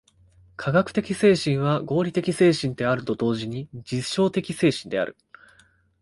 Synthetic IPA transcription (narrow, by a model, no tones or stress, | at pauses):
kʰaɡakɯ̥t̪e̞kʲise̞ːɕĩɰ̃βaɡo̞ːɾʲit̪e̞kʲise̞ːɕĩnt̪e̞aɾɯ̟t̪o̞d̪o̞ːʑiɲ̟id͡ʑiɕo̞ːt̪e̞kʲise̞ːɕĩnd̪e̞a̰ɾɯ̟